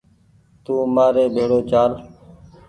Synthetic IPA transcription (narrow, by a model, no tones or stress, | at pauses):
t̪ũːmaːɾeːɓʱeːɽoːt͡ʃaːl